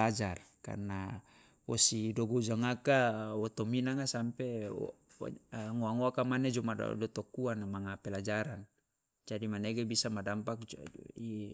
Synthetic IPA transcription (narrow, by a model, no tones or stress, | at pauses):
ad͡ʒarka̰rna | wɔ̰sidɔɡod͡ʒaŋakawɔt̪ɔminaŋasampḛ | ŋoaŋoakamaned͡ʒɔma̰dɔt̪ɔkuanamaŋapɛlad͡ʒaɾan | d͡ʒadimaneɡebisamadampak̚i